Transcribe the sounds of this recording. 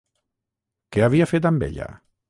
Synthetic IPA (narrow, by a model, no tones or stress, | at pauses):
keaβiafet̪ambḛʎa̰